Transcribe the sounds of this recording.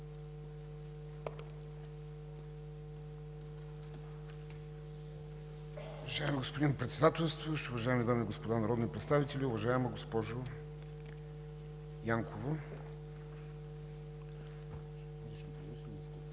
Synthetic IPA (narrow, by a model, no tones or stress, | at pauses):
ʊvɐʒaɛmiɡospod̪inpɾɛt̪sɛd̪at̪ɛlˠst̪vəʃʊvɐʒaɛmid̪amiɡospod̪anɐɾɔd̪nipɾɛt̪st̪avit̪ɛlʲiʊvɐʒaɛməɡospɔʒʊ | jaŋkʰovə | lit͡ʃnop̪ɾit͡ʃnist̪ɛ